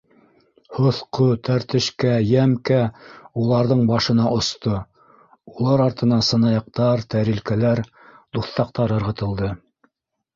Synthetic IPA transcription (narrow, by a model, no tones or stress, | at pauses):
hŏθqot̪ʰæɾt̪ɘ̆ʃkæjæmkæulˠɑɾðɤɴbɑʃɤ̆nɑʔŏst̪o | ulˠɑɾɑɾt̪ɤ̆nɑnsɤ̆nɑjɑq̚t̪ɑɾt̪æɾilkælæɾ | d̪uθt̪ɑq̚t̪ɑɾɤ̆ɾʁɤ̆t̪ɤ̆lˠd̪ɤ